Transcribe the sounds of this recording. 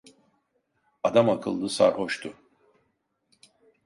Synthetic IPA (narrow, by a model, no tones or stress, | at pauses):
ad̪amakʰɯlˠd̪ɯsa̰ɾho̞ʃt̪ʰʊ